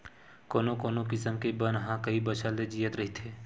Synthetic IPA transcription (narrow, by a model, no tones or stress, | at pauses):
koːnokoːnokɪsəmkebənɦãkɐibət͡ʃʰəlːed͡ʒijət̪ɾɐɦit̪ʰeː